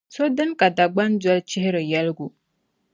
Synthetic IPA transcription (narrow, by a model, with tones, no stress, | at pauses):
so˦dɨ˦ŋka˨da˨ɡ͡ba˦nd͡ʒa˦lt͡ʃɪ˦hɪ˦ɾɪ˨ja˦lɡu˨